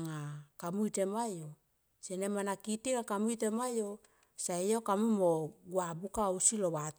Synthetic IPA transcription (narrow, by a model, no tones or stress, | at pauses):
ŋakamuitemajo | senemanakitiŋakamuitemajo | saejokamumoɡuabukausilowat